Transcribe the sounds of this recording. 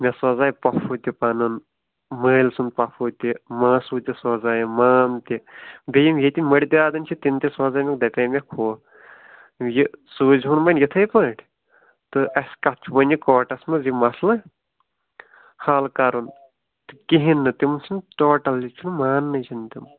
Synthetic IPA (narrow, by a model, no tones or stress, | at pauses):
mʲɐsɐzaːjpɐfʰut̪ipɐnɨn | məːlsund̪̚pɐfʰut̪ʲimaːsuːt̪ʲisɔːzaːjmaːnt̪ib̪ijimjet̪imʲmɐɽʲt̪iaːd̪ɐnt͡ʃʰit̪int̪ʲisɐːzaːjmʲek̚d̪ɐpʲɐːjmʲɐkʰoː | jisuːzʲɦunmɐnjit̪ʰɐjpɐːʈʰʲ | t̪ɨɐsʲkɐt͡ʃʰubɐnʲikɔːʈɐsmɨzimɐslɐ | haːlkaɾun | t̪ɨkiɦinːɨt̪imnsʰunʈoːʈɐlːit͡ʃʰunmaːnːɨt͡ʃʰint̪im